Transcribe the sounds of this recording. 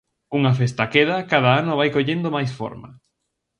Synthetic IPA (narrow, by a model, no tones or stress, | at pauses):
uŋɐfest̪akeðɐkaðaanoβajkoʎend̪omajsfo̰ɾmɐ̰